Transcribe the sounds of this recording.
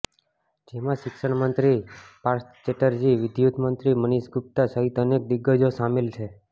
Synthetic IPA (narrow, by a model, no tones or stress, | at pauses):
d͡ʒemãʃɪkʃəɳ̃mənt̪ɾipaɾst͡ʃeʈəɾd͡ʒiʋɪd̪jut̪mənt̪ɾiməniʃɡʊp̚t̪asəɦit̪ənek̚d̪ɪɡːəd͡ʒosamelt͡ʃʰe